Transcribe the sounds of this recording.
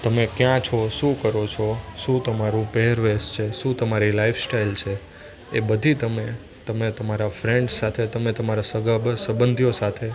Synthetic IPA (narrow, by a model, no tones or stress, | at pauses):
t̪əmekjãt͡ʃʰɔʃũkəɾot͡ʃʰɔʃũt̪əmaɾũpɛɦəɾʋest͡ʃʰeʃũt̪əmaɾilaifsʈailt͡ʃʰe | ebəd̪ʱit̪əme | t̪əmet̪əmaɾafɾeɳɖsat̪ʰet̪əmet̪əmaɾasəɡəbsəbənd̪ʱjosat̪ʰe